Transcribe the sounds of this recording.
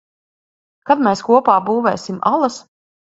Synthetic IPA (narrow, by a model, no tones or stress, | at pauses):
kad̪mɛːskuɔpaːbuːvɛːsʲima̰lˠas